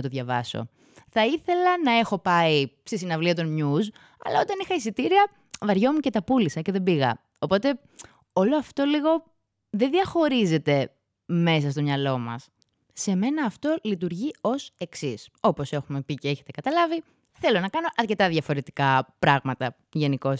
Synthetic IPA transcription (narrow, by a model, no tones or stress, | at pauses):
t̪oðʝɐvɐ̰so̞̰ | θɐiθe̞lɐnɐe̞xo̞pɐist̪isinɐvliɐt̪onɲuz | ɐ̰lɐo̞t̪ɐnixɐisit̪iɾiɐ | vɐɾʝo̞muce̞t̪ɐpulisɐce̞ðe̞biɣɐ̰ | opo̞t̪e̞ | o̞lo̞ɐft̪o̞liɣo̞ | ðenðiɐxo̞ɾize̞t̪e̞ | me̞s̬ɐst̪o̞mɲɐlo̞mɐ̰sː | e̞me̞nɐːft̪o̞lit̪̬uɾʝio̞se̞ksiso̞po̞se̞xume̞piceeçe̞t̪e̞kɐt̪ɐlɐvi | θe̞lo̞nɐkɐno̞ʔɐɾce̞t̪ɐðʝɐfo̞ɾe̞t̪i̥kɐpɾɐɣmɐt̪ɐ | ʝe̞niko̞s